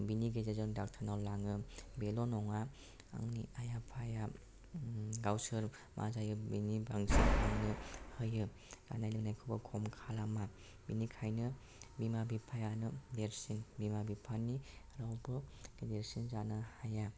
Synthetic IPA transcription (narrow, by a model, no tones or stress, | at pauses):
biniɡezezɔndak̚tʰanawlaŋɯbelɔnɔŋa | a̰ŋniajapʰaja | ɡawsɯɾ | mʔa̰zajɯbinibaŋziaŋnɯhɯjɯ | za̰najlɯŋnajkʰɯbɯkʰɔmkʰalama | binikʰajnɯ | bimabipʰajanɯdeɾsinbimabipʰanːi | ɾawbɯɡ̥edeɾsinzanɯhaja